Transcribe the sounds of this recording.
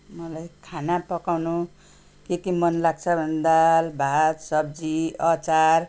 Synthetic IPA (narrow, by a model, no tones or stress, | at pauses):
mʌlajkʰanapʌkawnu | kekimʌnlaɡ̚t͡sʰʌbʱʌned̪albʱad̪sʌb̚d͡ziʌt͡sar